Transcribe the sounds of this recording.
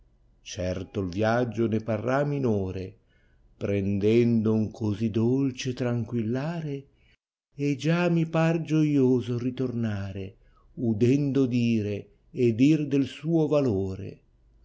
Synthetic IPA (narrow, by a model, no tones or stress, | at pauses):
t͡ʃɛrt̪olvjad͡ʒːoneparːamːinoːɾe | pɾend̪ɛnd̪ouŋkʰozid̪olt͡ʃet̪ɾaŋkwilːaːɾeː | d͡ʒamipard͡ʒojoːzorit̪ornaːɾe | ud̪ɛnd̪od̪iːɾeː | d̪ird̪elsuːovaloːɾḛ